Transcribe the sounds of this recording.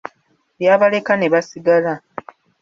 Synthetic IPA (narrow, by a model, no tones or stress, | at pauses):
βjaːβale̞kane̞βasiɡala